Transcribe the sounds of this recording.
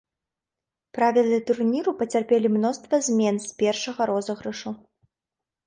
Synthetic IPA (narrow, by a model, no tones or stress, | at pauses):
pɾavʲilˠɨɛt̪urnʲiɾupɐt͡sʲarpʲɛlʲimnɔst̪vɐzʲmʲɛnsʲpʲɛrʂɐɣɐɾɔzɐɣɾɐʂu